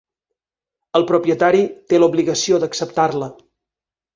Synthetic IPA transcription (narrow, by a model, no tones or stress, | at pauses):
əlˠpɾupjət̪aɾit̪eluβliɣəsiod̪əksəp̚t̪arlə